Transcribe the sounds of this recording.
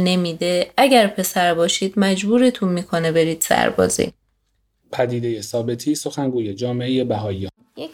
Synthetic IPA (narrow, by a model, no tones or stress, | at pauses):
ne̞miːd̪e̞æɟæɾpʰe̞sæɾbɒːʃiːd̪mæd͡ʒbuːɾet̪ʰunmiːkʰo̞ne̞be̞ɾiːd̪̥sæ̰ɾbɒ̰ːzḭ | pʰæd̪iːd̪e̞jesɒːbe̞t̪ʰiːso̞xænɡuːjed͡ʒɒːmeʔeje̞bæɦɒːiɒː